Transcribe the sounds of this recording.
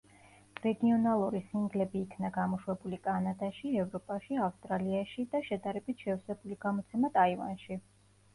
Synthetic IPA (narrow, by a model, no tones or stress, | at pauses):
ɾɛɡiɔnalˠuɾisiŋɡlɛbiːkʰnaɡamɔʃwɛbulikʼanad̪aʃiɛvɾɔpʼaʃiafst̪ʼɾaliaʃid̪aʃɛd̪aɾɛbit̪ʰʃɛfsɛbuliɡamɔt̪sʰɛmat̪ʼaiva̰nʃi